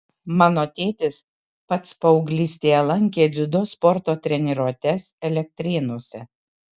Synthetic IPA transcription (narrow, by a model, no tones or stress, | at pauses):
mɑːnoːt̪ʲeːt̪ʲɪs | pɐt̪spɐʊɡlʲiːsʲt̪ʲeːjɛlˠɐŋʲkʲeːd̪zʲʊd̪ɔspɔɾt̪oːt̪ʲɾʲɛnʲɪɾoɔt̪ʲɛsɛlʲɛk̚t̪ʲɾʲɪnoɔsʲɛ